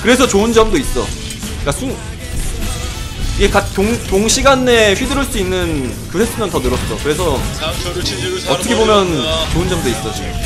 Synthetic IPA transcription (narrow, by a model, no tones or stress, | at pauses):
kɯɾe̞sʰʌt͡ɕoɯnd͡ʑʌmdois͈ʌ̰ | k͈asʰu | iɡekatoŋtoŋɕʰiɡanːeɸɥidɯɾɯɭs͈uinːɯn | kɯsʰes͈ʰɯmjʌntʌnɯɾʌs͈ʰsʌkɯɾe̞sʰʌ | ʌt͈ʰɯkʰebomjʌnt͡ɕoɯnd͡ʑʌmdois͈ʌj